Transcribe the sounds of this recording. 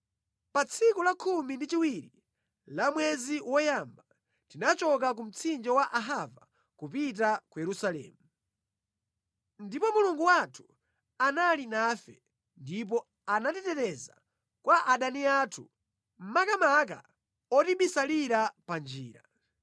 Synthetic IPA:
pat͡sʰikulakʰumindit͡ʃiwiɾi | lamwɛziwɔjamba | tinat͡ʃɔk̬ak̬um̩t͡sʰind͡ʒɔwaʔaɦava | kupit̬akujɛɾusalɛ̰ːmu | ndipɔmuluŋɡuwatʰu̥ | analinaːfɛ̰ | ndip̬ɔ | anatɛtɛɾɛza̰ | kwaʔaɗaniatʰu | m̩makamak̬a̰ | ɔtiɓisaliɾapand͡ʒḭːɾa̰

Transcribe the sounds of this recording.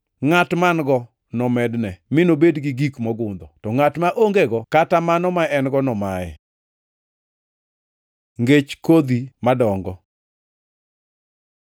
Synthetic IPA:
ŋatmanɡɔ | nɔmɛdnɛmɪnobedɡɪɡikmɔɡʊnd̪ɔtɔŋatmaʔoŋɡeɡɔkatamanɔmaɛnɡɔnɔmajɛ̰ | ŋɡet͡ʃkod̪imadɔŋɡɔ

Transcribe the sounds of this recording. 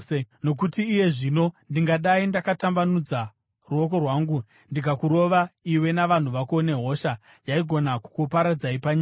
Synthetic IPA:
no̞k̬utiːje̞ʐino̞ndiŋɡaɗaindakatambanud͡za | ruo̞k̬o̞rwaːŋɡu | ndikakuɾo̞ʋaiwe̞naʋan̤uʋakuone̞ɦo̞ʃa | jaiɡʱo̞naku̥kupaɾad͡zaipaɲaːa

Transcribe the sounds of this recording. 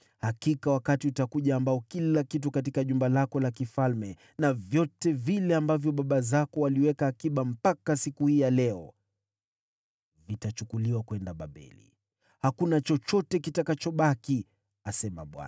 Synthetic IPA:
hakikawakatiutakuʄaːmbaɔkilakit̬ukat̬ikaʄumbalakɔlakifalmɛ | navjɔtɛvilɛambavjɔɓaɓazakɔwaliwɛkaːkiɓam̩pakasikuhiːjalɛɔ̰ | vitat͡ʃukuliwakwɛndaɓa̰ɓɛ̰lḭ | hakunat͡ʃɔt͡ʃɔtɛkitakat͡ʃɔɓaki | asɛma̰ɓwa̰na

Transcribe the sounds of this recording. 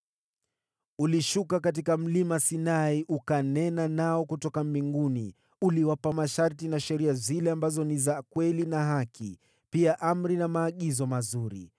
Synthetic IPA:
uliʃukakat̬ikam̩limasinaiʔukanɛnanaɔkutɔkambiŋɡuni | uliwapamaʃaɾtinaʃɛɾiazilɛambazɔnizakwɛlinaɦakʰḭ | piaʔam̩ɾinamaːɠizɔmazuɾḭ

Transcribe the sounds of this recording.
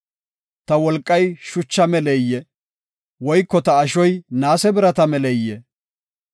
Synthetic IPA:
t̪ɐwɔlkʼːɐjʃʊt͡ʃːɐmɛlɛjːɛ | wɔjkːɔt̪ɐːʃɔjnaːsɛbɪɾɐt̪ɐmɛlɛjːɛ

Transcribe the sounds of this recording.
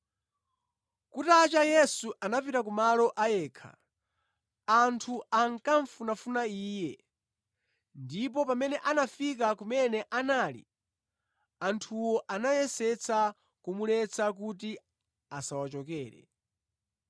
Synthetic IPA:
kutat͡ʃajɛsuʔanapiɾak̬umalɔʔajɛːkʰa̰ | antʰuaŋkaɱfunafunaiːjɛ | ndip̬ɔpamɛnɛʔanafik̬akumɛnɛʔanaːlḭ | antʰuwɔʔanajɛsɛt͡sʰa | kumulɛt͡sak̬ut̬i | asawat͡ʃɔkɛːɾɛ̰

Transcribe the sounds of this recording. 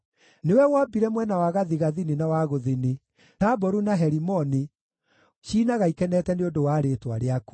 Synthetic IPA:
newɛwabiɾɛmwɛnawaɣaðiɣaðininawaɣoðeni | tabɔɾunaɦɛɾimɔni | ʃiːnaɣaikɛnɛtɛneondowaːɾetwaɾeaku̥

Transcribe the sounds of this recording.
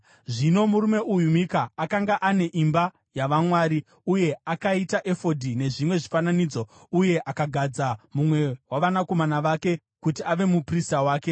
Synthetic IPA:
ʐino̞muɾume̞ʔujumikaːkaŋɡaʔane̞ʔimba | jaʋamwaːɾi | uje̞akaitaʔe̞fo̞dʱine̞ʐimwe̞ʐifananiːd͡zo̞ | uje̞ʔakaɡʱad͡zamumwe̞waʋanako̞manaʋaːke̞ | kutiaʋe̞mupristawaːke

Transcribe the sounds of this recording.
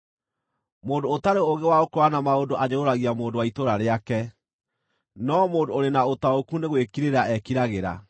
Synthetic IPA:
moːdoːtaɾeoɣewaokoanamaodoʔaɲeoɾaɣiamoːndowaitoɾaɾeakɛ | nɔmoːndooɾenaotaokuneɣwekiɾeɾaɛkiɾaɣeɾa̰

